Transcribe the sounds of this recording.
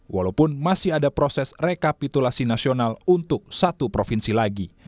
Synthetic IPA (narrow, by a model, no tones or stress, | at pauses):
wa̰lawpʊnmasɪhadapɾɔsɛsrekapit̪ulasinasionalunt̪ʊk̚sat̪upɾofinsilaɡi